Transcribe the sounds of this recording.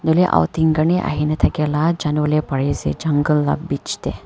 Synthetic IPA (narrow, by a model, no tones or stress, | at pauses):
noleʔa̰wt̪iŋɡəɳeʔa̰ɦinet̪ʰɐkelad͡ʒanʋəlepɐɽezḛd͡ʒɐŋɡəlːa̰bbit͡ʃt̪e